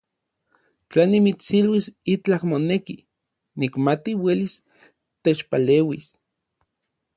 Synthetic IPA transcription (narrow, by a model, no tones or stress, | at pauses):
t͡ɬanimit͡silwisit͡ɬakmoneki | nikmat̪iwelis | t̪et͡ʃpaleːwis